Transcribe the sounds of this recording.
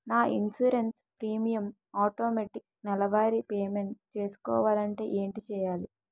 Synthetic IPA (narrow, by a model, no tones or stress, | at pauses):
naːʔinsuɾens | pɾiːmijɐm | aːʈoːmeʈik̚ | nɛlɐʋaːɾipeːmeɳʈt͡ʃe̞ːsu̥kɔ̰ːʋaːlɐɳʈe̞ːʔeːɳʈit͡ʃɛːjaːli